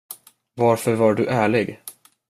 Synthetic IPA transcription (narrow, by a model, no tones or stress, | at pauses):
vaɾfœɾvaɖɵʔæːɭɪɡ